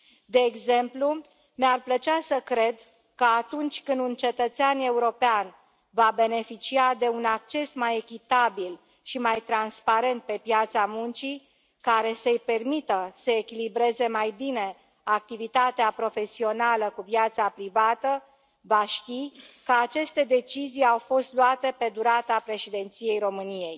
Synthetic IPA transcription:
d̪e̞ːɡze̞mplu | mearplət͡ʃasəkɾe̞d̪ | kəat̪unt͡ʃʲkɨnd̪unt͡ʃe̞t̪ət̪seane̞uɾo̞pean | vabe̞ne̞fit͡ʃiad̪e̞unak̚t͡ʃe̞smajekʲit̪abil | ʃimajt̪ɾanspaɾe̞nt̪̚pe̞pjat̪samunt͡ʃi | kaɾe̞səjpe̞rmit̪əsəekʲilibɾe̞ze̞majbine̞ | ak̚t̪ivit̪at̪eapɾo̞fe̞sio̞naləkuvjat̪sapɾivat̪ə | vaʃt̪ikəat͡ʃe̞st̪e̞d̪e̞t͡ʃizijawfo̞st̪luat̪e̞pe̞d̪uɾat̪apɾe̞ʃid̪e̞nt̪sije̞jɾo̞mɨnije̞j

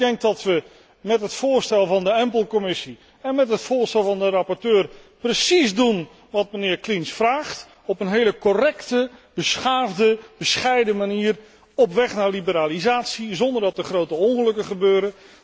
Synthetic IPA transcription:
dɛŋk̚dɑtʋə | mɛtɦətfʊːɹstɛlˠvɑndəɛmpəl̩ˠkɔmɪsi | ɛnmɛtɦətfʊːɹstɛlˠvɑndərɑpɔɹtøːrprəsizdun | ʋɑt̚mənɪːɹklinsfraːχt | ɔpənɦejləkɔrɛktəb̥əsχaːvdəb̥əsχɛjdəmaniːr | ɔpʋɛχnaːɹlibəɾaːlizaːtsizɔndəɹdɑtəχrowtəɔnχəlɵkəχəbøːɾə

